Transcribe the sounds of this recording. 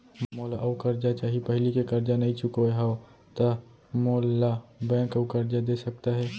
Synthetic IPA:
moːlaʔɐwkɐɾd͡ʒat͡ʃaːɦipɐɦɪlikekɐɾd͡ʒanɐɦĩt͡ʃʊkoeɦa | t̪a | moːlabɛ̃ːkəukɐɾd͡ʒad̪eːsɐk̚t̪aɦɛː

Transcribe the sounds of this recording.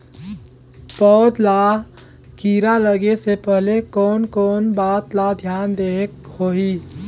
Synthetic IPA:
pɔːd̪la | kiːɾaləɡesepəɦlekɔːnkɔːnbaːt̪lad̪ʱjaːnd̪eːkhoːi

